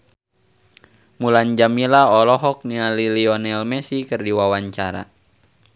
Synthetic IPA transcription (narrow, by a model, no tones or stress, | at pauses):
muland͡ʒamilaɔlɔɦɔk̚nialiliɔnɛlmɛsikərdiwawaɲt͡ʃaɾa̰